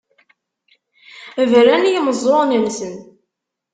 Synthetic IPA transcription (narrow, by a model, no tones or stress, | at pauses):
vɾænjməzˤonəmsən